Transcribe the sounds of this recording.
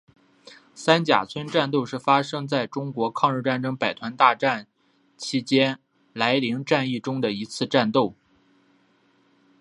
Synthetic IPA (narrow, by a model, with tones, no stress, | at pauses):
sa˥nt͡ɕja̰˨˩t͡sʰwə˥nʈ͡ʂa˥˧nt̪o˥˧ʊʂɻ̩˥˩fa˥ʂɤ˥ŋt͡sa˥˩ɪʈ͡ʂʊ˥ŋkwɔ˧˥kʰɑ˥˧ŋɻ̩˥˧ʈ͡ʂa˥˩nʈ͡ʂɤ˥ŋpa˨˩ɪt̪ʰwa˧˥nt̪a˥˧ʈ͡ʂa˥˩n | t͡ɕʰi˥t͡ɕjɛ˥n | la˧˥ɪli˧˥ŋʈ͡ʂa˥˧ni˥˩ʈ͡ʂʊ˥ŋd̪ə˨i˧˥t͡sʰɹ̩˥˧ʈ͡ʂa˥˧nt̪o˥˩ʊ